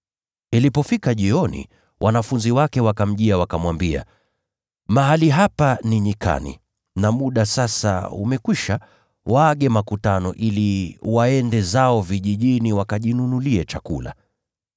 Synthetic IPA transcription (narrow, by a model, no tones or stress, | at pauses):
ilipɔfikaʄiɔnḭ | wʔanafunziwakɛwakam̩ʄiawakamwambia̰ | maɦaliɦapaniɲika̰nḭ | namuɗasasa̰ṵmɛkwiʃa | waːɠɛmakutanɔ̰ʔiliwaɛndɛzaɔviʄiʄiniwakaʄinunuliɛt͡ʃakula̰